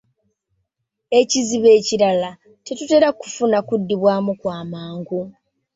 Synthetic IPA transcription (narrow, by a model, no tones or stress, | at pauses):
e̞ciziβe̞ːciɾala | te̞tute̞ːɾaku̥funakudːiβwaːmukwaːmaːŋɡu